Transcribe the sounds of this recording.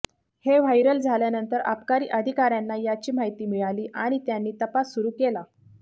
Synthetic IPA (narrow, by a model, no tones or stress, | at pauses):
heʋ̤ajɾəld͡zʱaljanənt̪əɾa̰pkaɾiːʔəd̪ʱikaɾjanːajat͡ɕiːmaɦjt̪iːmiɭaliːʔaɽ̃it̪janːiːt̪əpasːuɾuːkela